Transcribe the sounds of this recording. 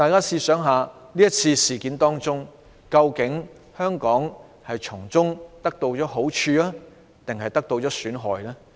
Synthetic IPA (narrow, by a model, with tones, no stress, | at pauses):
t̪aː˨˧jkaː˥siː˧sœː˨˥ŋɦaː˨˧liː˥jɐ˥t̚t͡sʰiː˧siː˨˩kiː˨˥nt̪ɔː˥ŋt͡sʊ˥ŋ | kɐ˧wkɪ˨˥ŋ | hœː˥ŋkɔː˨˥ŋ | hɐ˨jt͡ʃʰʊ˨˩ŋt͡sʊ˥ŋt̪ɐ˥k̚t̪o˧wɔː˨˥ɦo˨˥wt͡ʃʰyː˧laː˥ | t̪ɪ˨ŋɦɐ˨jt̪ɐ˥k̚t̪o˧wt͡ʃɔː˨˥syː˨˥nɦɔː˨jlaː˥